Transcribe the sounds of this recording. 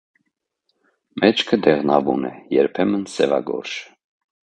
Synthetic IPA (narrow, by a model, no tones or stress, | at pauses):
mɛt͡ʃʰkʰəd̪ɛʁnɑvunɛjɛɾpʰɛmənsɛvɑ̰ɡɔ̰ɾʃə̥